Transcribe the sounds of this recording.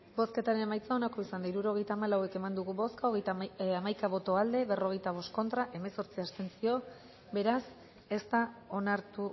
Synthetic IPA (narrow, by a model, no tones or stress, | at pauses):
bo̞ske̞t̪aɾe̞ne̞majt͡saonako̞isand̪aiɾuɾo̞ɣ̞e̞jt̪aːmalawe̞ke̞mand̪uɣuβo̞skaoɣejt̪amajkaβo̞t̪o̞ald̪e̞βe̞ro̞ɣ̞e̞jt̪aβ̞o̞stko̞nt̪ɾaʔe̞me̞so̞ɾt͡siast̪e̞nsio̞ | be̞ɾas | e̞st̪ao̞naɾt̪u